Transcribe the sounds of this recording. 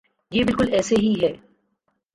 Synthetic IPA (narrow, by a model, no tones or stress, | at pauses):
jeːbɪlkʊlɛːseɦiɦɛː